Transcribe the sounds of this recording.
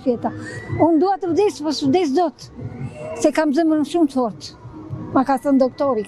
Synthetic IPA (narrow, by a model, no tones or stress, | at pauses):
fjɛt̪aund̪uat̪əɾd̪ispasvd̪is̬d̪ɔt̪ | sɛkamzəmənəʃumt̪fɔɾt̪makaθənd̪ɔk̚t̪ɔɾi